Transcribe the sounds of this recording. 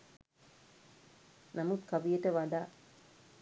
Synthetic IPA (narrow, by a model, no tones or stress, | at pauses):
namut̪kaʋijəʈəʋaɖaː